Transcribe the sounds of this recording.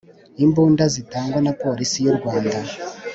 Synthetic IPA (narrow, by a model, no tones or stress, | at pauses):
imbundazitaŋɡwanapoɾisijorwaːnda